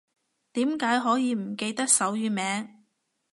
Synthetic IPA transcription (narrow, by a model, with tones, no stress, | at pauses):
t̪iː˨˥mkaː˨˥jɦɔː˨˥jiː˨˧m̩˨˩ke˧jt̪ɐ˥k̚sɐ˨˥wjyː˨˧mɛː˨˧˥ŋ